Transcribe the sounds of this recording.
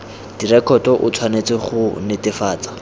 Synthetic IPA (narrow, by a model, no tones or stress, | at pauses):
d̥irɛkʰɔtɔʔʊt͡sʰwanet͡sɪχʊnɪtɪfaːt͡sḁ